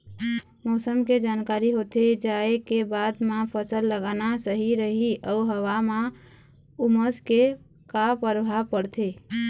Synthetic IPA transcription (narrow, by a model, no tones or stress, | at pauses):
mɔsəmked͡ʒankaɾiɦot̪ed͡ʒaekebad̪mãpʰəsəlːəɡanasəɦiɾəɦiʔəuɦəʋamã | uməske | kapəɾbʱapəɽt̪ʰe